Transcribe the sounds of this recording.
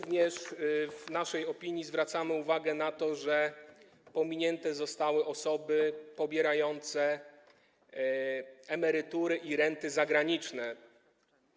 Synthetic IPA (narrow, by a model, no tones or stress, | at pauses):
vɲɛʂvnaʂɛjɔpʲiɲjizvɾat̪samɘuvaɡɛnat̪ɔʐɛ | pɔmʲiɲɛnt̪ɛzɔst̪awɘʔɔsɔbɘpɔbʲjɛɾajɔnt̪sɛ | ɛmɛɾɘt̪uɾɘʔiɾɛnt̪ɘzaɡɾaɲit͡ʂnɛ